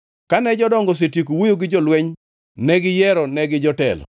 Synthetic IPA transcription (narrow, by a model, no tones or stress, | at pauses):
kanɛd͡ʒɔdɔŋɡɔs̬etik̬owujoɡɪd͡ʒɔlwɛɲ | nɛɡɪjɛɾɔnɛɡɪd͡ʒɔtɛ̰lɔ̰